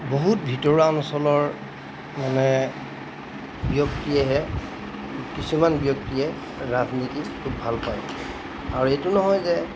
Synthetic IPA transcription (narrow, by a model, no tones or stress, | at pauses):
boɦutbʱitɔɹansɔlɔɹ | manɛ | bjɔktiɛɦɛ | kisumanbjɔk̚tiɛ | ɹaznitikʰubʱalpaj | aɹuetunɔɦɔjzɛ